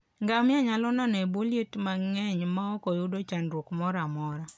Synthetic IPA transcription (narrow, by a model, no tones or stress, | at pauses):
ŋɡamɪaɲalɔnaneboljetmaŋɛɲmaɔkɔjʊdot͡ʃandwokmɔɾamɔɾa